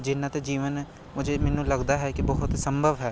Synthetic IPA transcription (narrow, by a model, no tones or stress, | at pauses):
d͡ʒɪnːãːt̪ed͡ʒiːʋən | mʊd͡ʒʱeːmɛːnũːləɡd̪aɦɛkibɔɦʊt̪səmbʱəʋɦɛː